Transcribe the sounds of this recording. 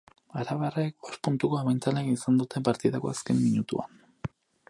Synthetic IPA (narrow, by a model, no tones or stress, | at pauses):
aɾaβaraek̚ospunt̪uko̞aβajnt͡saleisand̪ut̪e̞mpaɾt̪iðako̞̰aske̞mːiɲut̪ua̰n